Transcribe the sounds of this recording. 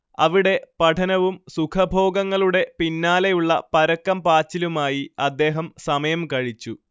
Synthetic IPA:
ɐʋiɽe̞pɐʈʰɐnɐʋumsukʰɐbʱo̞ːɡɐŋːɐɭuɽe̞pinːaːlejuɭːɐpɐɾɐkːɐmpaːt͡ɕːilumaːjiɐd̪ːe̞ːɦɐmsɐmɐjɐmkɐɻit͡ɕːu

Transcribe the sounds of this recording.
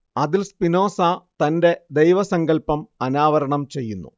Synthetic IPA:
ɐðilspino̞ːsat̪ɐnde̞d̪ejʋɐsɐŋɡɐlpɐmɐnaːʋɐɾɐɳɐmt͡ɕe̞jːunːṵ

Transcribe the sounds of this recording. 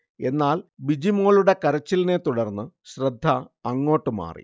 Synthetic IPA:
e̞nːaːlbid͡ʑimoːɭuɽe̞kɐɾɐt͡ɕːiline̞t̪uɽɐrnːɨɕrɐd̪ʱːɐːŋːo̞ːʈːɨma̰ːrḭ

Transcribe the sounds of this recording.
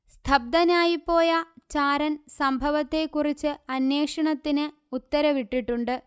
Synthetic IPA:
st̪ʰɐb̚d̪ɐnaːjipːo̞ːjɐt͡ɕaːɾɐnsɐmbʱɐʋɐt̪ːe̞kːurit͡ɕːɨɐnje̞ːkʂɐɳɐt̪ːinɨ | ut̪ːɐɾɐʋiʈːiʈːuɳɖɨ

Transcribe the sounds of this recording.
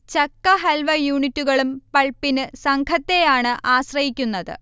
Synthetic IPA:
t͡ɕɐkːɐɦɐlʋɐjuːɳitːuɣɐɭumpɐɭpːinɨsɐŋkʰɐt̪ːe̞jaːɳɨʔaːɕrɐjikʲːunːɐðɨ̰

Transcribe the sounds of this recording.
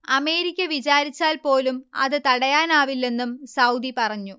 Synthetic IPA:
ɐme̞ːɾikʲːɐʋit͡ɕaːɾit͡ɕːaːlpo̞ːlumɐ̰ðɨt̪ɐɽɐjaːnaːʋilːe̞nːumsɐwd̪ipɐrɐɲːu

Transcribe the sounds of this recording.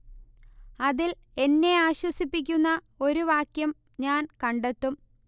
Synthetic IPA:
ɐðil | e̞nːe̞aːɕwɐsipːikʲːunːɐ | o̞ɾuʋaːkjɐm | ɲaːnkɐɳɖet̪ːum

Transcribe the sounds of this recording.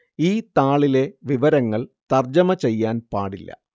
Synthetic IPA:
iːt̪aːɭile̞ʋiʋɐɾɐŋːɐɭt̪ɐrd͡ʑɐmɐt͡ɕe̞jːaːnpaːɽilːɐ̰

